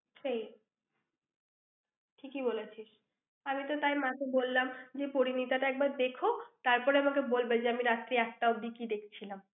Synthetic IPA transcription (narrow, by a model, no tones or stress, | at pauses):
sej | ʈʰikibolet͡ɕʰiʃ | amit̪ot̪ajmãkebolːamd͡ʑepoɾinit̪aʈaɛk̚baɾd̪ekʰot̪aɾpɔɾeamakebolbed͡ʑeamiɾat̪ːɾiɛk̚ʈaod̪ikid̪ekʰt͡ɕʰilam